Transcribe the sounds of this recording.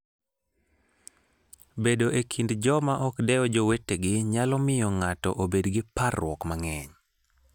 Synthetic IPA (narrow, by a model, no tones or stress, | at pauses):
bedoʔekʰindd͡ʒɔmaʔɔkdɛɔd͡ʒowetːeɡɪɲalɔmɪjɔŋatɔ̰ʔobedɡɪparwɔkmaŋɛɲ